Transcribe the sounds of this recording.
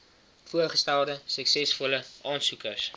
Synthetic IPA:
fuəχəstælˠdəsəksɛsfɔləʔɑːnsukərs

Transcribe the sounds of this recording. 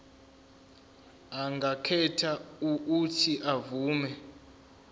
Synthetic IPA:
aŋɡʱakʰɛtʰauːtʰiʔavuːmɛ

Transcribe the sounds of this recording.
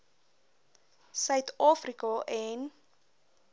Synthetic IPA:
sœɥt̪ʰɑːfrikɔʔɛn

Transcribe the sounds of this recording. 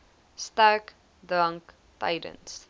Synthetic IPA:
staʊk | dɹãŋk | tḛɪdə̰̃ns

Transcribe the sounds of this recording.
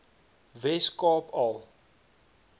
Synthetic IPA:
vɛskɑːpʰɐlˠ

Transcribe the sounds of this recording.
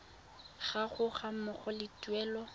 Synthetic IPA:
ɣaχʊχamʊχɔlɪtuɛːlɔ

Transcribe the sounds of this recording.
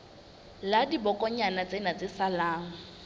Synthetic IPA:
ladibɔkʼɔɲanat͡sʼenat͡sʼɪsalaːŋ̩

